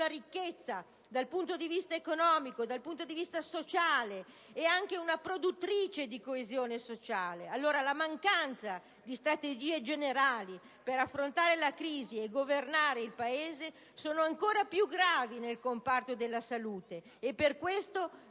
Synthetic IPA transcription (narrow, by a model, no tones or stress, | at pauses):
naɾikːet̪sːa | d̪alpunt̪od̪ivist̪aekonɔːmikod̪alpunt̪od̪ivist̪asot͡ʃaːleː | aŋk̟eunapɾod̪ut̪ːɾiːt͡ʃed̪ikoezjoːnesot͡ʃaːlealːoːɾalamaŋkant̪sa | d̪ist̪ɾat̪ed͡ʒiːed͡ʒeneɾaːli | peɾafːɾont̪aːɾelakɾiːzieɡovernaːɾeilpaeːze | soːnoaŋkoːɾapjuɡɾaːvinelkompart̪od̪elːasaluːt̪eː | pːerkwest̪o